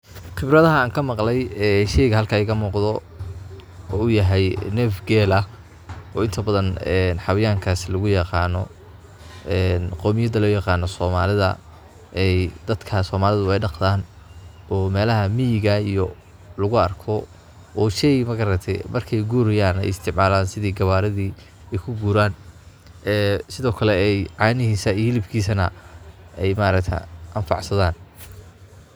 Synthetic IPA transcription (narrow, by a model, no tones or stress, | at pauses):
χɪbɾɐðɐɦɐːŋkʰɐmɑqlɛjɛːʃɛjɣɐhɐlkʰaɪɣɐmuːqðɔ | ɔʊjɐɦɛjnɛːfɡɛːlɐ | ɔːɪnt̪ʰɐbɐðɐnɛnħɑwɪjaːŋkʰaːslɐɣʊjɑqɑːnɔ | ɛnqɔːmɪjɐðɐlɔːjɑqɑːnːɔsɔːmaːlɪðɐ̰ | ɛjd̪ɐd̪̥kʰɐsɔːmaːlɪðʊɛjɖɑqd̪aːn | ɔːmɛːlɐɦɐmijɪɣɐijɔ | lʊɣʊɐrkʰɔ | ʔɔːʃɛjmɐɣɐɾɐt̪ʰɛmʔɐrkʰɛjɡuːɾɪjaːnɛ̰jɪst̪ʰɪʕmaːlaːnsɪðiːɡɐβaːɾɐðiː | ɛjkʰʊɡuːɾaːn | ɛːsɪðɔːkʰɐlɛɛjʕɑːnɪɦiːsɐiːhɪlɪbkʰiːsɐnɐ̰ | ɛjmaːɾɐkt̪ʰɛ̰ʔɐnfɑ̰ʕsɐðaːn